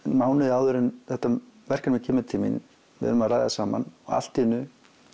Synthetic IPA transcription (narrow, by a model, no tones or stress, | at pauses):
maːwnɪðɪaːwðʏɾɪnθɛht̪ːavɛr̥kanmɪcʰɛːmɪt̪ʰɪmḭn | vɪ̰ð̰nmaðrajðasaːma̰nɔɣa̰l̥t̪ɪnːʏ